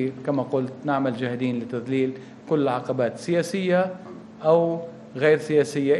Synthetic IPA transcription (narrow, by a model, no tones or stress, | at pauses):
kamaqʊlt̪naʕmald͡ʒaːhɪd̪iːnlɪt̪aðliːl | kʊlːʕɑqɑbaːt̪sɪjaːsɪjːa | ʔaw | ɣejɾsɪjaːsɪjːa